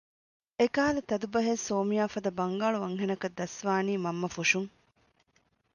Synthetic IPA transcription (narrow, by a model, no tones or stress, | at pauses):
ekaːlɐt̪ɐd̪ubɐɦesoːmijaːfɐd̪ɐbɐŋɡaːɭuʋɐŋɦenɐkɐd̪ːɐsʋaːniːmɐmːɐfuʃuŋ